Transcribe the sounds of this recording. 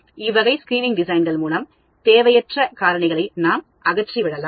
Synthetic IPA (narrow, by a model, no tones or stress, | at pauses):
ɪʋɐɣɐɪskɾiːnɪŋɡɖɪsɐɪnɡɐɭmuːnɐm | t̪eːʋɐjɐʈrɐkaːɾɐɳɪɣɐɭɐɪnaːm | ʔɐɣɐʈriʋɪɽɐlaːm